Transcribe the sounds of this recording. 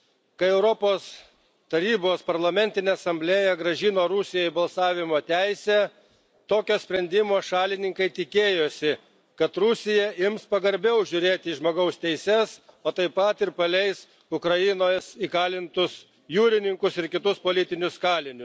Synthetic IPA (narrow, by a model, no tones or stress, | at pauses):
kɐɪɛʊɾɔpoːs | t̪ɐɾʲiːboːspɐɾlˠɐmʲɛnʲt̪ʲɪnʲeːɐsɐmʲbʲlʲeːjɛɡɾɐʒʲɪnoːɾʊsʲɪjoːɪbɐlˠsɑːʋʲɪmoːt̪ʲæɪsʲæː | t̪oːkʲoːsʲpʲɾʲɛnʲd̪ʲɪmoːʃɑːlʲɪnʲɪŋkɐɪt̪ʲɪkʲeːjoːsʲɪ | kɐt̪ɾʊsʲɪjɛɪmspɐɡɐɾʲbʲɛʊʒʲʊɾʲeːt̪ʲɪʒmoːɡɐʊst̪ʲɛɪsʲɛsoːt̪ɐɪpɐt̪ɪɾpɐlʲɛɪs | ʊkɾɐjɪnoːjsiːkɑːlʲɪnt̪ʊs | juːɾʲɪnʲɪŋkʊsɪɾkʲɪt̪ʊspoːlʲɪt̪ʲɪnʲʊskɑːlʲɪnʲʊs